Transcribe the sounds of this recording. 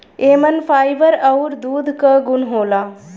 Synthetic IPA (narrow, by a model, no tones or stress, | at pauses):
eːmənfʰaːjʋəɾɐwɾd̪uːd̪ʱkɐɡʊnɦoːlaː